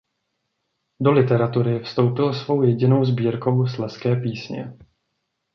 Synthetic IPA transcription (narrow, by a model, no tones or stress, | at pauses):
do̞lɪt̪ɛɾat̪uɾɪfst̪o̞wpɪlsvo̞wjɛɟɪno̞wzbiːɾko̞wslɛskɛːpiːsɲɛ̰